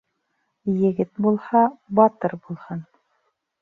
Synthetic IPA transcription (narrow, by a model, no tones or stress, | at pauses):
jɘ̆ɡɘt̪̚bulˠhɑbɑt̪ɤɾbulˠhɤn